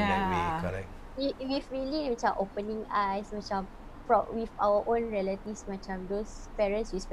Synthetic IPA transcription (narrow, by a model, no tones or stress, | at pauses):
aɛwekʰɔla̰ | iwifɹilĩmit͡ʃãʔopənĩŋajsmat͡ʃãm | fɹɔ̃wifa̰wəʔõnɹɛlətifsmat͡ʃãmdospɛɹə̃nswisp